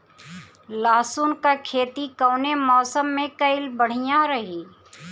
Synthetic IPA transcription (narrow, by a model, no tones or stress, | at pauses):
laːsuːnkakʰeːt̪ikɔːnemɔːsəmːẽkɐɪlbəɽ̤ijãɾɐɦiː